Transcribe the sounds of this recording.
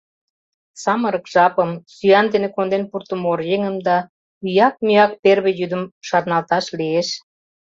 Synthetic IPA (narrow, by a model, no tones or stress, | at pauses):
sɑməɾəkʒɑpəmsyɑnd̪enekond̪enpurt̪əmorjeŋəmd̪ɑ | yjɑk̚myɑk̚perβĕjyd̪əmʃɑrnɑlt̪ɑʃlieʃ